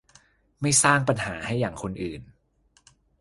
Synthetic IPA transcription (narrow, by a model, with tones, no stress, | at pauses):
ma˥˩jsaː˥˩ŋpa˧nhaː˩˦ha˥˩jːaː˨˩ŋkʰo˧nʔɯː˨˩n